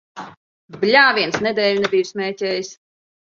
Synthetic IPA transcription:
blʲaːviɛnsnɛd̪ɛːlʲnɛbʲiːjsmʲɛːcʲɛːjis

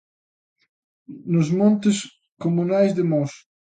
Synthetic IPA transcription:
nʊzmɔ̃nt̪ɪs | komunajzd̪ɪmɔs

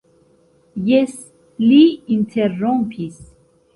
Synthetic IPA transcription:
jɛs | liintʰerɔmpʰis

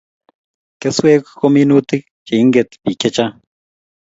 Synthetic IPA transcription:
keswekʷkominut̪ik̚ | t͡ʃeiŋɡet̪pikʲet͡ʃa

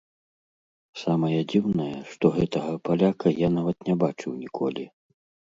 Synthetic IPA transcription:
samɐjɐd͡zʲiwnɐjɐʂt̪ɔɣɛt̪ɐɣɐpalʲakʰɐjanavɐt̪nʲɛbat͡ʂɨwnʲikʰɔlʲi

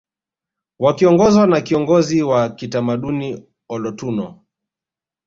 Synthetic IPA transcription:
wakiɔŋɡɔzwanakiɔŋɡɔziwakitamaɗuni | ɔlɔtunɔ

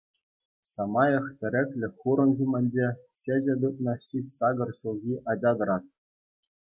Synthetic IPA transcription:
sɑmɑjɤ̆χtʲɘ̆ɾʲɘ̆kʲlʲɘ̆xuɾɤ̆nʑumʲɘ̆nʲd͡ʑeɕeʑʲĕd̪ut̪̚nɤ̆ɕitʲsɑɡɤ̆rɕulˠɣʲiʔɑd͡ʑɑd̪ɤ̆ɾɑt̪

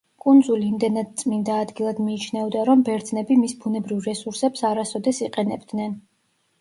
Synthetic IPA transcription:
kʼund̪zuliːmd̪ɛnad̪̚t̪sʼmind̪aːd̪ɡilˠad̪miːt͡ʃʰnɛɔd̪aɾɔmbɛɾd̪znɛbimisbunɛbɾivɾɛsuɾsɛpsaɾasɔd̪ɛsiqʼɛnɛbd̪nɛn

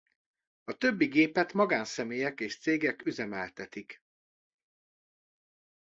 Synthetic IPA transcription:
ɒt̪ø̞bːiɡeːpɛt̪mɒɡaːnsɛmeːjɛkeːʃt̪seːɡɛkyzɛmɛlt̪ɛt̪ik

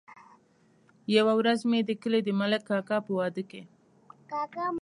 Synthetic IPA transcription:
jawawɾazmed̪əkəled̪əmaləkːɑkɑpəwɑd̪əke | kɑkɑm

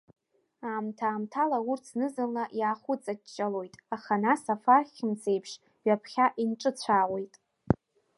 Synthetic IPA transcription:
aːmtʰaːmtʰalaurt͡sʰnɨzɨnlaʔjaːχʷʊt͡sʼat͡ʃt͡ʃʼːalo̞jtʼaχanasafarχʲɪmsʰe̞jpʰʂ | ɥapʰχʲaʔinʈ͡ʂʼɨt͡ɕʷʰaːwe̞jtʼ

